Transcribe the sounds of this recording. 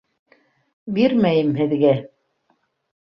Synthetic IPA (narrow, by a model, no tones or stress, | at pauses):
biɾmæjɘmhɘ̆ðɡæ